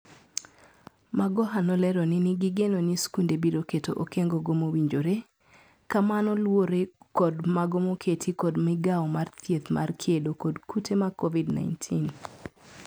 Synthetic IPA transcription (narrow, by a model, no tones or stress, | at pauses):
maɡɔɦanɔlɛɾonɪniɡiɡenoniskundebiɾoketoʔokeŋɡoɡomowiɲd͡ʒoɾe | kamanɔlwoɾekɔdmaɡomokʰetʰikɔdmɪɡaɔmart̪ʰjet̪mʔa̰rkʰjedokodkʰutʰemakovidna̰jntʰin